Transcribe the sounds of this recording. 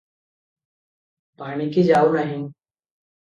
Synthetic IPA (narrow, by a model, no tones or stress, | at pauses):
paːɳ̃iːkʰeːd͡ʒaːuːnaːɦĩːn